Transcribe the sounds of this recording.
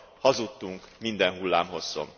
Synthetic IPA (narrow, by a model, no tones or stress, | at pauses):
hɒzut̪ːuŋkmind̪ɛnhulːa̰ːmɦo̞sːo̞̰m